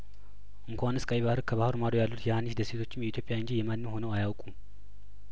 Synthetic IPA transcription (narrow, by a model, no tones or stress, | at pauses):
ʔɨŋkʷanɨskʼajiβahɨɾkʰəβahɨɾmaɾojalːut̪jɛhanːiʃd̪əse̞t̪ʰo̞t͡ʃːɪmjɛit̪ʰjopʼːjaɨnd͡ʒijɛmanːɨmho̞nəwajawkʼu